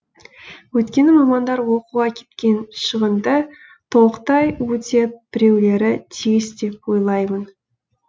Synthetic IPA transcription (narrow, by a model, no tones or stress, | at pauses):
wɵt̪kʲe̞nɪmɑmɑnd̪ɑɾwo̞quʁɑkʲʰe̞̥t̪kʲe̞nʃəʁənd̪ə | t̪ʰo̞qt̪ɑjwɵt̪e̞b̥ɪɾe̞wle̞ɾɪt̪ʰijɪsd̪e̞p̚wo̞jlˠɑjmən